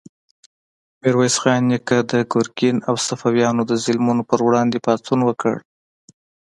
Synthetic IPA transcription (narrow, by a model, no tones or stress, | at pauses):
meɾwajsxɑjnːikad̪əɡʊɾkinawsafawjɑnod̪əzɪlmunopəɾwɽɑnd̪epɑt̪unwəkə̰ɽ